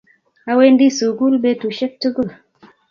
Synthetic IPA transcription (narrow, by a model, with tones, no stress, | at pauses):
a˦we˦ndi˦su˨ku˦lɓe˦tu˨ʃe˦k̚tu˦ku˦